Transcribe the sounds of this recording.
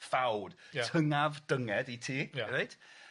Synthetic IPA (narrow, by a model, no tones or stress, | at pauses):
fawd̥jtʰəŋavd̥əŋɛditʰiːɾejd̥